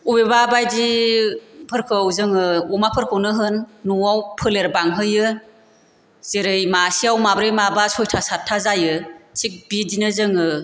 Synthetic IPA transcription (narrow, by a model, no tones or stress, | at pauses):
ubebabajdi | pʰɯɾkʰɯwzɯŋɯumapʰɯɾkʰɯwnɯɦɯnːuawpʰɯleɾbaŋɦɯjɯ | z̥eɾɯjmasiawmabɾɯjmabasʰɔjtʰasatʰːazajɯt͡ʃʰik̚bidinɯzɯŋɯ